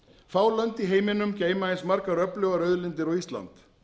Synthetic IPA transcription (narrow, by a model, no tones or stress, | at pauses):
faːwlant̪iɦeːjmɪnʏmceːjmaɪnsmaɾkaɾœplœːwɣaɾœɥðlɪnt̪ɪɾɔɣist̪la̰nt̪